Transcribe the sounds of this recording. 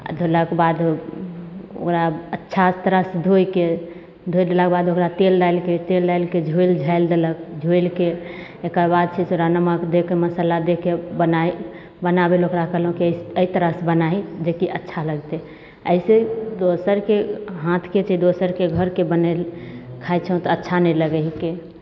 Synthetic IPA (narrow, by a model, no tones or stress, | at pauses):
a̰d̪ʱoləkbad̪ | o̰kɾaətːʃʰat̪ɾəsd̪ʱojke | d̪ʱojd̪elək̚bad̪okɾat̪eld̪ajlket̪eldajlked͡ʒʱuld͡ʒʱaɪld̪elək̚d͡ʒʱoilkeekəɾbad̪̚t͡ʃʰɛseɾanəməkd̪ekeməsəlad̪ekebənai | bənabelokɾakəɦlɦũkiəit̪əɾəsbənaid͡ʒekiʔətːʃʰaləɡt̪e | əised̪osəɾkeɦãt̪ʰket͡ʃʰɛd̪osəɾkeɡʱəɾkebənelkʰat͡ʃʰə̃t̪ɔətːʃʰanɛjləɡəɦike